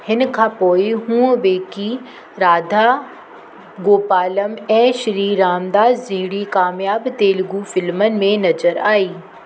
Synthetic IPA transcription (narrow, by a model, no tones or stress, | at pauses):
hɪnkʰãːpoːiɦũːʋeːki | ɾaːd̪ʱa | ɡoːpaːləmɛ̃ːʃɾiːɾaːmd̪aːzzɪɦɽikaːmjaːbt̪eːlɡufɪlmənɪ̆mẽnɐzəɾaːiː